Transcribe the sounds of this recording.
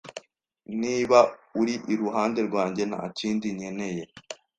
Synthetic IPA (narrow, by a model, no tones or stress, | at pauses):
niːβauɾiʔiɾuɦaːnde̞ɾɡwaːɲɟe̞na̰ciːndiɲe̞ne̞je̞